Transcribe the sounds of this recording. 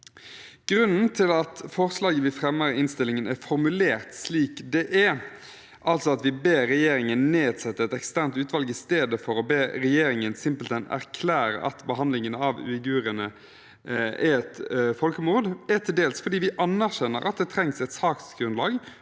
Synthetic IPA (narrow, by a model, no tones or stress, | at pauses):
ɡ̥ɾʉnn̩t̪ʰɪlɑt̪fɔʁslɑːɡəʋɪfɾɛmːəɾɪɪnst̪ɪlːɪŋənæɾfɔɾmʉleːʁt̪sliːkd̪ɛʔæ | ʔɑlt̪sɔɑt̪ʋɪbeːɾɛjeːɾɪŋənːeːd̪sɛt̪ːəɛt̪ɛkst̪æɾnt̪ʉːt̪ʋɑlɡɪst̪eːd̪əfɔɾɔbeːɾɛjeːɾɪŋənsɪmpəlt̪ɛnæ̰ʁkʰlæːɾə̰ʔɑ̰t̪bəɦɑnd̪lɪŋənəɑʋʉ̰ːɪɡʉːʁənə | æɛɛt̪fɔlkəmuːʁd̪æʁt̪ʰɪld̪eːlsfɔʁd̪iːʋɪʔɑnæʁʃɛnːəɾɑ̰t̪̚d̪ɛt̪ʰɾɛŋsɛɪt̪sɑːksɡɾʉnlɑːɡ